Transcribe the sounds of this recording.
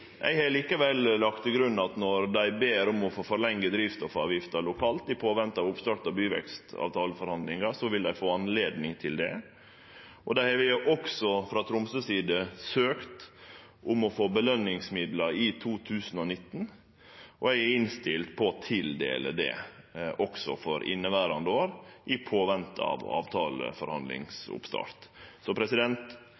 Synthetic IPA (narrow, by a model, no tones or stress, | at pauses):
ʔɛ̰ɪhɑɭiːkəʋɛllɑkt̪ʰɪlɡɾʉnːɑt̪nɔɾd̪æɪbeːɾʊmɔfoːfɔɾlɛŋɡəd̪ɾiːft̪ɔfɑ̰ːʋjɪft̪ɑɾlʊkʰɑːlt̪d̪ɪpʰoːʋɛnt̪ɑʋʊpst̪ɑʈɑbyːʋɛ̰kst̪ɑ̰ʋt̪ʰɑːləfɔɾhɑnd̪lɪŋɑsɔʋɪld̪æɪfoːɑnleːd̪nɪŋt̪ʰɪld̪ɛ̰ | ʔɔd̪æɪhɑɾʋɪʔɔksɔfɾɑt̪ʰɾʊmsəsiːd̪əsøːkt̪ | ʔʊmɔfoːbəlœnːɪŋsmɪd̪lɑɾɪt̪ʰuːt̪ʰʉːsənɔnɪt̪ːn | ʔɔæɪæɾɪnst̪ɪlt̪pʰɔt̪ʰɪld̪ḛːlə̰d̪ɛ̰ | ʔɔksɔ̰fɔɾʔɪ̰nːəʋæːɾɑnd̪əoːɾʔɪpʰoːʋɛnt̪əɑ̰ʋɔ̰ɑ̰ːʋt̪ʰɑːlə̰fɔɾhɑ̰nd̪lɪ̰ŋsʊ̰pst̪ɑ̰ɾt̪sɔpʰɾɛsɪd̪ɛnt̪